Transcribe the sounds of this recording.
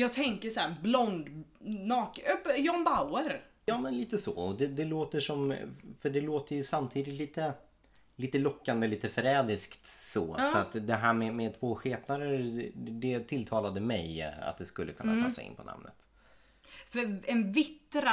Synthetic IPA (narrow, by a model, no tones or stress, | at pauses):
jɑːɡ̚t̪ʰɛŋkəʂæːɾblɔnd̪nɑːkœpːjɔnbaʊəɾjɑːmɛnliːt̪əsɔ̰ɔd̪ɛd̪ɛloːt̪əʂɔmfœɖɛloːt̪əjɵsamt̪ʰiːd̪ɪt̪liːt̪ə | liːt̪əlɔkːand̪əliːt̪əfœɾɛːd̪ɪskt̪sɔːsɔatt̪d̪ɛɦæːɾmɛmɛt̪ʰvoːɧeːpnaɾəd̪ɛt̪ʰɪlt̪ʰɑːlad̪əmɛja̰t̪̚d̪ɛskɵlːəkʰɵnːaɛ̰ːsa̰ɪ̰npʰɔna̰mnə̰t̪ | fœɾɛnvɪt̪ːɾa